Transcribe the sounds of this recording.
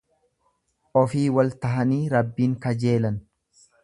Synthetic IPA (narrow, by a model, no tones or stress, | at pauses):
ʔɔfiːwɐlt̪ɐɦɐniːɾɐbːiːŋkɐd͡ʒe̞ːlɐn